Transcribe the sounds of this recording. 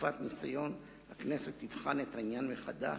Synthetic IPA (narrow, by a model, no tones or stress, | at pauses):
fat̪nisajo̞n | hakne̞se̞t̪ːivχanet̪ainjanmeχad̪a̰